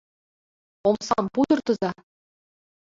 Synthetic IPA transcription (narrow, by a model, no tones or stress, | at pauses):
omsɑ̰mpud̪ɤ̆rt̪ɤ̆zɑ